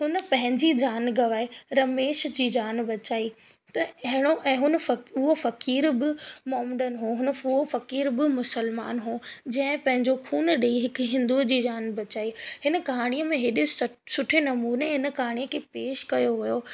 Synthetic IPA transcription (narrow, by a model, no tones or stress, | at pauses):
ɦʊnə̆pɐ̃ɦɪ̃ɲd͡ʑid͡ʑaːnɡɐʋaːeɾɐmeːʃd͡ʑiːd͡ʑaːnbɐt͡ɕaːi | t̪ɐɐɦɪɽ̃oʔɛ̃ːɦʊnfɐʊɦofɐkiːɾbɪmɔɦmɖənɦoɦʊnʊɦofɐkiːɾbɪmʊsəlma̰ːnɦoːd͡ʑɐ̃ɦɪ̃pɐ̃ɦɪ̃ɲd͡ʑokʰuːnɗeiɦɪkɦɪ̃nd̪uːd͡ʑiːd͡ʑaːnbɐt͡ɕaːihɪnə̆kɐɦaːɽ̃ijəmẽɦeɗɪssʊʈʰenɐmuːneɦɪnəkɐɦaːɽ̃ijəkʰepeːʃkɐjoʋijo